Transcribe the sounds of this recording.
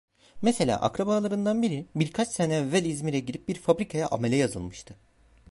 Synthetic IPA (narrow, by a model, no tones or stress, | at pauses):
mese̞lʲa̰ːʔa̰kɾabalˠaɾɯnd̪anbiɾibiɾkʰat͡ʃsenɛvɛlʲizmiɾɛɟiɾip̚biɾfabɾikʰajaʔa̰melʲɛjazɯ̰lˠmɯʃt̪ʰɯ